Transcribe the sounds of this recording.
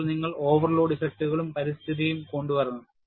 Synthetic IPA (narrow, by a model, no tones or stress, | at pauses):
ɭniŋːɐɭo̞ːʋɐrlo̞ːɖifek̚ʈːuɣɐɭumpɐɾist̪ʰiðijumko̞ɳɖupɐrɐnːuð